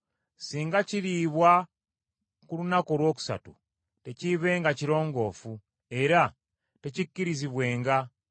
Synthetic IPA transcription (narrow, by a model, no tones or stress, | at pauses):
siːŋɡaciɾiːβwa | kulunako̞lwo̞ːku̥sa̰tṵ | te̞ciβe̞ːŋɡaciɾo̞ːŋɡo̞ːfu | e̞ɾa | tecicːiɾiziβwe̞ːŋɡa